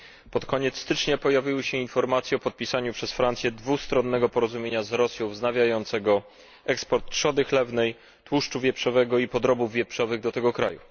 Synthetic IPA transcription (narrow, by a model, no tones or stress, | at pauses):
pɔt̪kʰɔɲɛt̪st̪ɘt͡ʂɲapɔjavʲiwɘɕɛinfɔɾmat̪sʲjɛɔpɔt̪̚pʲisaɲupʂɛsfɾant̪sjɛd̪vust̪ɾɔnːɛɡɔpɔɾɔzumʲjeɲazɾɔsʲjɔ̃w̃vznavʲjajɔnt̪sɛɡɔ | ɛkspɔɾt̪ːʂɔd̪ɘxlɛvnɛj | t̪wuʂt͡ʂuvʲjɛpʂɔvɛɡɔipɔd̪ɾɔbuvːʲjɛpʂɔvɘɣd̪ɔt̪ɛɡɔkɾa̰jṵ